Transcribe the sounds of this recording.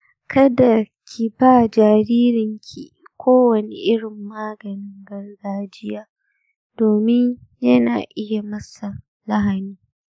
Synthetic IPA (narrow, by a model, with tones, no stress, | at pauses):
kʰɐ˦da˨kʲʰi˨baː˦d͡ʒaː˨ɾiː˦ɾɪ˨ŋkʲʰi˨ | kʷʰoː˦wɐ˨ni˨ʔɪ˦ɽɪ˨mːaː˦ɡɐ˨nɪ˦ŋɡɐ˦rɡaː˦˨d͡ʒɪ˦jaː˦ | d̥oː˨mɪ˦ɲjɐ˦naː˨ʔɪ˦ja˨mɐ˦sa˨ | lɐ˦ɦa˨niː˦